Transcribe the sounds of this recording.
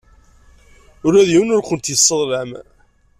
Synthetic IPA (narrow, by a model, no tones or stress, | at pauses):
ʊɾæðjiwənʊɾkənt̪jəsˤːəðˤlæm